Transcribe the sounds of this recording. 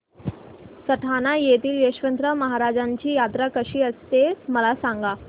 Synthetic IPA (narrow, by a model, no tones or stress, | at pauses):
səʈʰanajet̪iːljeɕʋənt̪ɾəməɦaɾad͡ʑaɲt͡ɕiːjat̪ɾakəɕiːəst̪esməlasaŋɡa